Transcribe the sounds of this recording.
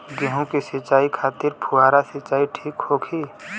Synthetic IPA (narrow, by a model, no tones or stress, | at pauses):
ɡiɦũkisit͡ʃaːikʰaːt̪ɪɾpʰuaːɾasɪt͡ʃaːiʈʰiːkhoːkʰi